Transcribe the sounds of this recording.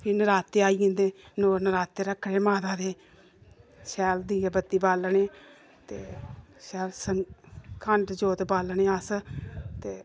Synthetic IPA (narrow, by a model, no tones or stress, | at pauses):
pʰɪnəɾaːt̪ːeːaːiːɪ̃nd̪eːnoːɾnəɾaːt̪ːeːɾəkʰːɽeːmaːd̪aːd̪eː | ʃɛːld̪iːabət̪ːiːbaːlɳeː | t̪eːʃɛːlsəŋkʰəɳɖd͡ʒoːt̪baːlneːəst̪eː